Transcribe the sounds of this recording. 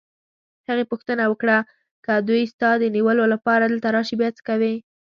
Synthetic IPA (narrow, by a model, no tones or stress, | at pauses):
haɣepʊxt̪ənawəkɽa | kəd̪ujst̪ɑd̪əniwəlolapɑɾad̪əlt̪aɾɑʃibjɑt͡sə̥kawe